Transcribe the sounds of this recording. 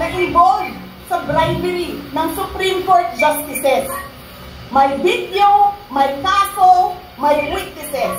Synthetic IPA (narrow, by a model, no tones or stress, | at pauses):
nɐɡɪ̃mbolv | sɐbɾajd̪ɛɾinɐŋsʊpɾimkoɹt̪̚d͡ʒast̪ɪsɛs | mɐjbit̪jomɐjk̪aːso | mɐjɾɪlɪk̚t̪ɪsɛs